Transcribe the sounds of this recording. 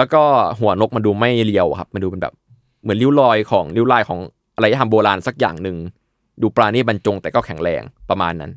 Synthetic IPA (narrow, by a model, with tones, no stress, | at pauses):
lɛː˦˥wkɔː˥˩ɦu˨˩˦ɐno˦˥k̚maː˧duː˧ma˥˩jli˧əwkʰa˦˥p̚maː˧duː˧pe˧nbɛ̰ː˨˩p̚ | mɯ˨˩˦nli˦˥wlɔː˧jkʰɔː˩˦ŋli˦˥wlaː˧jkʰɔː˩˦ŋ | a˧ɾa˧ja˧˩a˧mboː˧laː˧nsa˨˩k̚ja̰ː˨˩ŋnɯ˨ŋ | duː˧pɾaː˧niː˥˩ba˧nt͡ɕo˧ŋt̪ɛː˨˩kɔː˥˩kʰɛ˨˩˦ŋɾɛ̰ː˧ŋpɾa˧maː˧nːa̰˦˥n